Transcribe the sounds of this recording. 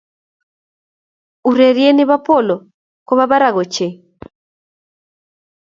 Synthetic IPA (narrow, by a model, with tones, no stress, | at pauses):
u˨ɾɛ˨ɾiɛ˦ni˦βa˦pɔ˦˨lɔ˨ | kɔ˦βa˦βa˦ɾa˨ɣɔ˨t͡ʃɛ˨